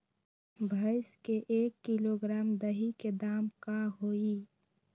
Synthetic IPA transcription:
bʱəɪskeʔeːkːiloɡɾaːmd̪əɦiked̪aːmkaɦoːiː

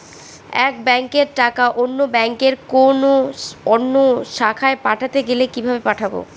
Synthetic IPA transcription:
ɛkbɛŋkeɾʈakaʔonːobɛŋkeɾkonoɔnːoʃakʰaepaʈʰat̪eɡelekibʱabepaʈʰabo̰

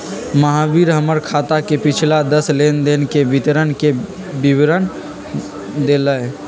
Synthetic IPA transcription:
məɦaːbiːɾɦəməɾkʰaːt̪akepɪt͡ʃʰlad̪əsleːnd̪enkebɪt̪ɾənke | bɪwɾən | d̪eːləe

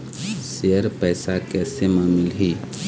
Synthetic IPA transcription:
seːəɾpɛːsakɛːsemaːmɪlɦiː

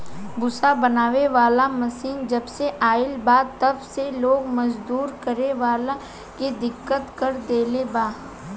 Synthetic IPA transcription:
bʊsabɐnaːʋeʋaːlamɐsiːnd͡ʒɐbseʔaːɪlbaːt̪ɐbseloːɡmɐd͡ʒd̪uːɾkɐɾeʋaːlã | ked̪ɪkːət̪kəɾd̪eːlebaː

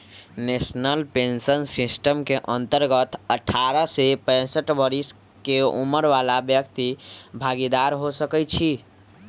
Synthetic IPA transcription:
nesnəlpensənsisʈəmkeʔənt̪əɾɡət̪ʰəʈʰːaɾəsepə̃ɪsəʈbəɾis | keṵməɾʋalabjəkt̪ibʱaɡid̪aɾɦosəkɛt͡ʃʰi

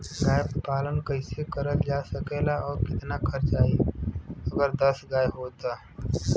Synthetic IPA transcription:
ɡaːjppaːlənkəɪsekəɾəld͡ʒasəkelaʔɔːɾkɪt̪nakʰəɾt͡ʃaːi | əɡəɾd̪əsɡaːjɦoːt̪a

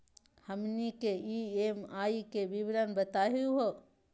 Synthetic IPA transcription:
həmnikeiːeːmaːikebibɾənbət̪aːɦuɦo

